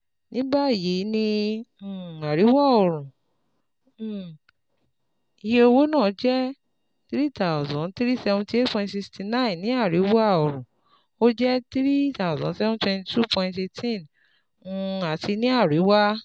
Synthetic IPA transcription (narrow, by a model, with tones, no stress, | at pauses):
nĩ˦ba˦˨je˨˦nĩ˧˨ | a˨ɾi˨˦wa˦˨ɔ˨ɾ̃ũ˨ | i˧je˧o˧wo˦nãː˦˨˦d͡ʒɛ˦ | tɾi˦ta˨zɔ̃˨˦ti˦ɾi˦sɛ˧vũ˧ti˦e˦pɔ̃˧tsi˧ksti˧nã˦ĩ˨n˨nĩ˨˦a˦˨ɾi˨˦wa˦˨ɔ˨ɾũ˨ | o˦d͡ʒɛ˦tɾi˦ta˦˨zɔ̰̃˨˦sɛ˦vɔ̃˦twɛ̃˧nti˦tu˦pʰɔ̃˧ĩnte˧tʰĩ˦˨n | ũ˧˦a˨ti˧nĩ˦a˦˨ɾi˨˦wa˦